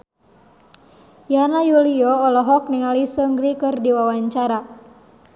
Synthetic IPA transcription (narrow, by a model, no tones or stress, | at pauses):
janajuliɔːlɔɦɔk̚niŋalisəŋɡɾikɨrdiwawaɲt͡ʃaɾa